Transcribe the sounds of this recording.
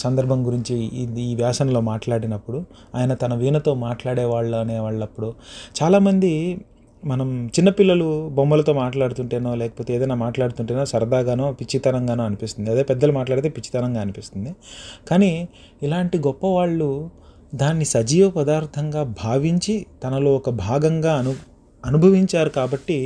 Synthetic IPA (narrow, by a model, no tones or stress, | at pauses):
sɐnd̪ɐɾbʱɐmɡuɾiɲt͡ʃiːʋjaːsɐnɐlo̞ːmaːʈlaːɽinɐpːuɽu | aːjɐnɐt̪ɐnɐʋiːnɐt̪o̞ːmaːʈlaːɽɛːʋaːɭːuɐneːʋaːɭːɐpːuɽut͡ʃaːlaːmɐnd̪i | mɐnɐmt͡ʃinːɐpilːɐlubombɐlɐt̪o̞ːmaːʈlaːɽut̪uɳʈeːnoːlɛːkɐpoːt̪eːd̪ɐjnaːmaːʈlaːɽut̪uɳʈeːnoːsɐɾd̪aːɡaːnoːpit͡ʃːit̪ɐnɐŋɡaːnoːɐnipist̪und̪iɐd̪eːpɛd̪ːɐlumaːʈ̬laːɽt̪eːpit͡ʃːi̥t̪ɐnɐŋɡaːɐnipist̪und̪ikaːni | ilaːɳʈiɡɔpːɐʋaːɭːu | d̪aːnːisɐd͡ʒiːʋɐpɐd̪aːɾt̪ʰɐŋɡaːbʱaːʋiɲt͡ʃit̪ɐnɐloːɔkɐbʱaːɡɐŋɡaːɐ | ɐnubʱɐʋiɲt͡ʃaːɾukaːbɐʈːi